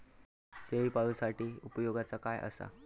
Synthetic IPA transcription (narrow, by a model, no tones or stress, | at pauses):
seʋiːpaɭusaʈiːupəjoɡat͡sakajʔə̰sa̰